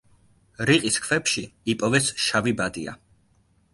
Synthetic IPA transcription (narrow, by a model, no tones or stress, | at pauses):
ɾiqʼiskʰvɛpʃiipʼɔvɛsʃavibad̪ia̰